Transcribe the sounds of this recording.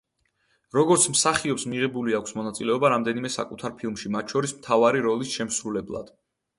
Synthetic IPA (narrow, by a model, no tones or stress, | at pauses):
ɾɔɡɔɾt̪sʰmsaχiɔpsmiʁɛbuliakʷʰsmɔnat̪sʼilɛɔbaɾamd̪ɛnimɛsa̰kʼut̪ʰaɾpʰilˠmʃimat̪̚ʰt͡ʃʰɔɾismt̪ʰavaɾiɾɔlisʃɛmsɾulɛblˠa̰d̪̥